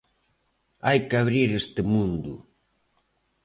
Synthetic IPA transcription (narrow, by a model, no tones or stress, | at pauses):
ajkaβɾiɾest̪ɪmũnd̪ʊ